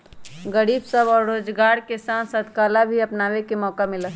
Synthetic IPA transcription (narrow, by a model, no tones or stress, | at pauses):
ɡəɾiːbsəbɔːɾɾoːd͡ʒɡaːɾkesaːnsɐd̪kaːlabʱiɐpnaːʋekemɔːkamɪlaː